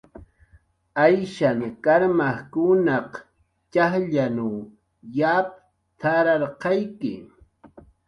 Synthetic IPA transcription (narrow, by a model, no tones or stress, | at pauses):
ajʃaŋkaɾmaχkʊnɑq | t͡ʃaχʎanaw | jap̚ | t̪ʰaɾɑɾqɑjkɪ̰